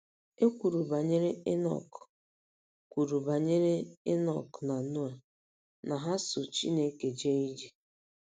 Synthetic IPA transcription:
e˦kʷu˨ɾu˨ba˨ɲe˦ɾe˦e˦nɔ̰˨k | kʷu˨ɾu˨ba˨ɲe˦ɾe˦e˦nɔ˨kna˨nʊ˦a˨ | na˨ɦa˦sʊ˨t͡ʃḭ˦ne˦ke˨d͡ʒe˦i˦d͡ʒi˨

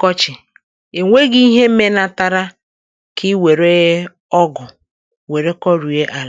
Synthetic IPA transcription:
kɔ˦t͡ʃɪ˨ | e˨ŋʷe˦ɡɪ˦i˦ɦe˦m̩˦me˦na˨ta˦ɾa˦ | kʰɪ˦we˨ɾe˦ɣ | ɔ˦ɡʊ˨ | we˨ɾe˦kɔ˦ɾu˨e˦ʔa˨l

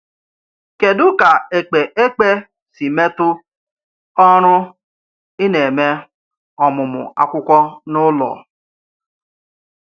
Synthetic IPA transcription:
ke˨dʊ˦ka˨e˨k͡pe˨ʔe˦k͡pe˦ | si˨me˦tʊ˦ | ɔ˦ɾ̃ʊ˦ | ɪ˦ne˨me˦ | ɔ˨mʊ˨mʊ̰˨a̰˦kʷʊ˦kʷɔ˦nʊ˦lɔ̰˨

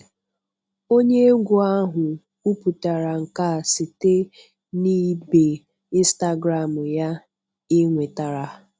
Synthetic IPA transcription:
o˦ɲe˦ɡʷʊ˨a˦ɦʊ˨ | u˦pu˨ta˨ɾa˨ŋ̩˨ka˦˨si˨te˦ | ni˦be˨ | i˦n˦sta˦ɡɾa˨mʊ˨ja˦ | ɪ˦ŋʷe˨ta˨ɾa˨

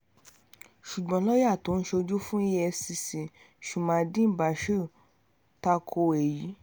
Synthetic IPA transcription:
ʃu˨ɡ͡bɔ̃˨˦lɔ˦ja˦˨to˨˦n̩˦ʃo˧d͡ʒu˦fũ˦i˦ɛ˧si˧si˨ | ʃu˨mã˨˦˧dĩ˦˨ba˨ʃo˦˨ | ta˧kʰo˧e˨ji˨˦

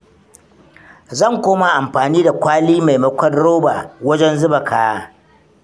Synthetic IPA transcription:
zɐ˦˨ŋkʷoː˦ma˨ʔa˨mɸaː˨niː˦da˨kʷaː˦liː˦ma˨jmɐ˦kʷɐ˦dɽoː˦baː˨wɐ˦d͡ʒɛ˦nzʊ˦ba˨kʰaː˨a˦

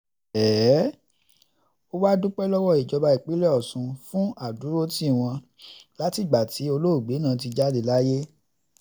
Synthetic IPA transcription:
ɛː˨˦ | o˦wa˦dũ˦k͡pɛ˦lɔ˦wɔ˦˨i˨d͡ʒɔ˧ba˧i˨k͡pi˨˦lɛ˦ɔ˦˨sũ˧fũ˦a˦˨du˨˦ɾo˦ti˦˨w̃ɔ̃˧ | la˦ti˦˨ɡ͡ba˨tʰi˨˦o˧lo˦o˦˨ɡ͡be˨˦nãː˨˦t̬i˧d͡ʒa˦de˧la˦je˦

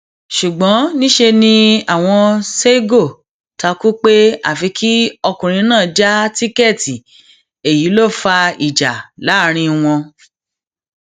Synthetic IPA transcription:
ʃu˨ɡ͡bɔ̃˨˦nĩ˦ʃe˧nĩ˧a˨w̃ɔ̃˧se˦ɡo˦˨ | ta˧ku˦k͡pe˦a̰˦˨fi˨˧˦kʰi˦ɔ˧kũ˨ɾ̃ĩ˧˦nãː˦˨d͡ʒa˦ti˦kɛ˦˨ti˨ | e˨ji˨˦lo˦˨fa˧i˨d͡ʒa˨la˨˦ɾ̃ĩ˧w̃ɔ̃˧

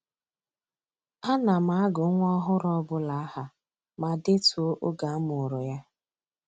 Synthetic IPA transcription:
a˦na˨ma˨a˦ɡʊ˨˦ŋʷ˦ɔ˦ɦʊ˦ɾɔ˦bʊ˦la˨a˦ha˨ | ma˨de˦tu˨o˦ʔo˦ɡa˨a˦mʊ˨ɾʊ˨ja˦

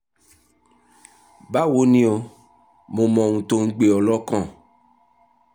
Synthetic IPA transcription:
ba˦wo˦nĩ˦o˧ | mo˨mɔ̃˨ŋũ˨to˧ŋ̩˦ɡ͡be˨ɔ˨lɔ˦kɔ̃˦˨

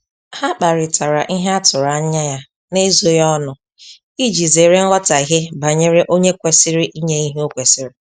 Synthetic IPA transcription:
ha˦k͡pa˨ɾɪ˨tʰa˨ɾa˨ʔi˦ɦe˦a˦tʊ˨ɾa˨˦ɲa˦ja˦ | ne˦zo˦jɔ˦nʊ˨ | i˦d͡ʒi˨ze˨ɾe˦ŋ̩˦ɦɔ˦ta˨i˨ɦe˦ba˨ɲe˦ɾe˦ʔo˦ɲe˦kʷe˨sɪ˦ɾɪ˦ʔi˦ɲe˦i˦ɦe˦o˦kʷe˨sɪ˦ɾɪ˨

